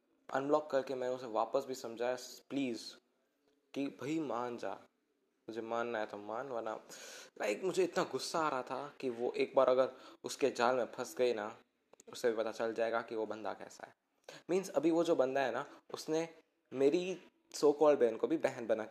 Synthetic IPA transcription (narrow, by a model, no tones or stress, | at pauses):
ɐ̰̃nblɔːkːɐɾkemɛ̃ːnʊseʋaːpəsbʱisɐ̃md͡ʒʱaːjapliːz | kibʱɐimaːnd͡ʒa̰ː | mʊd͡ʒʱemaːnːaɦɛt̪ʰomaːnʋəna̰lʔa̰ɪkmʊd͡ʒʱeɪt̪naɡʊsːaːɾɐɦat̪ʰakiʋoʔeːk̚baːɾɐɡəɾʊsked͡ʒaːlmẽpʰɐsɡɐina | ʊsːebʱipɐt̪at͡ʃɐld͡ʒaːeːɡakiʋobɐ̃nd̪a̰kɛ̰ːsa̰ɦɛː | mĩːnzɐbʱiʋod͡ʒoːbɐ̃nd̪aɦɛnaʊsne | meːɾi | soːkɔːlbeːnkobʱibɛɦɛnbɐnak